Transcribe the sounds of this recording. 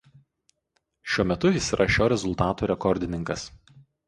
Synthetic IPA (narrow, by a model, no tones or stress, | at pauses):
ʃʲuɔmʲɛt̪ʊisʲɾʔɐʃʲoːɾʲɛzʊlˠt̪ɑːt̪uːɾʲɛkɔɾʲd̪ʲɪnʲɪŋkɐs